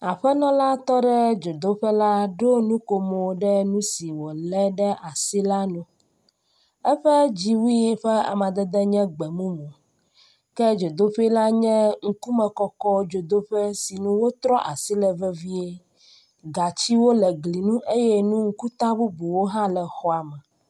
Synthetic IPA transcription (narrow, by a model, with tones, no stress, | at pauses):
a˨ɸɛ˦nɔ̃˦la˦t̪ɔ˦ɖɛ˦d͡ʒo˨d̪o˦ɸɛ˦la˦ɖo˦nũ˦ko˨mo˨ɖɛ˦nũ˦si˨wo˨lɛ˦ɖɛ˦ʔa˨si˦la˦nũ˨ | ɛ˦ɸɛ˦d͡ʑi˦wi˦˨ɸɛ˦a̰˨mã˨d̪ɛ˦d̪ɛ˦ɲɛ̃˦ɡ͡bɛ˨mũ˦mõ˨ | kɛ˦d͡ʒo˨d̪o˦ɸe˦la˦ɲɛ̃˦ŋ̩˦ku˦mɛ̃˨kɔ˦kɔ˦d͡ʒo˨d̪o˦ɸɛ˦si˨nũ˦wo˦t̪ɾɔ˦ʔa˨si˦lɛ˨vɛ˦vi˦e˦ | ɡa˨t͡ɕi˦wo˦lɛ˨ɡli˨nũ˦ʔe˦jɛ˦nũ˦ŋ̩˦ku˦t̪a˦bu˦bu˨wo˦ɦã˦lɛ˨xɔ˨˦a˨mɛ˨